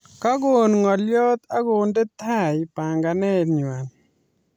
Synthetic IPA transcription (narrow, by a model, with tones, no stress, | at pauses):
ka˦ɡo˨nŋɔ˨ljɔ˦t̪a˦ɡo˨nde˦t̪ʰa˦ɪpa˨ŋɡa˨nɛ˦˨ɲwa˨n